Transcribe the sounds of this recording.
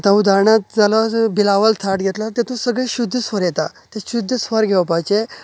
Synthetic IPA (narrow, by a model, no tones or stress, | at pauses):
t̪ãud̪aɾɳat̪̚d͡zalabilaʋəlt̪ʰaʈɡʱɛt̪lat̪ɛ̃t̪ʰõsəɡɭeɕud̪ʱːəsʋəɾjɛt̪at̪ɛ̃ɕud̪ʱːəsʋəɾɡʱɛʋpajt͡ɕe